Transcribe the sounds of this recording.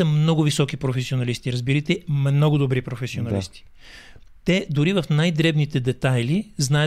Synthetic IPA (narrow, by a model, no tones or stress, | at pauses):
ɐmnɔɡʊvisɔkipɾofɛsionɐlist̪iɾɐzbiɾət̪ɛmnɔɡod̪obɾipɾofɛsionɐist̪i̥ | t̪ɛd̪ʊɾivɐfnajd̪ɾɛbnit̪ɛd̪ɛt̪ajliznaə